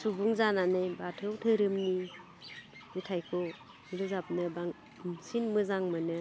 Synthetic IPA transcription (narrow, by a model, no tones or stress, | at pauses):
subuŋzananɯjbatʰɯwtʰɯɾɯmni | itʰajkʰɔ | miɾɯzap̚nɯbaŋ | sinmɯzaŋmɯnɯ